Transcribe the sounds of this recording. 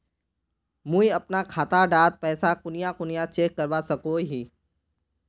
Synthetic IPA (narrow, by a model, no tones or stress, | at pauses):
mũiɐpnakʰaːt̪aɖaːt̪̚pɛːsakʊnɪjakʊnijat͡ʃeːkːəɾʋasɐkoːɦiː